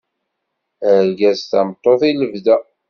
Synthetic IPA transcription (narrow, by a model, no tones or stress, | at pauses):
əɾɡæst̪ɑ̰mt̪ˤːoθiləvdæ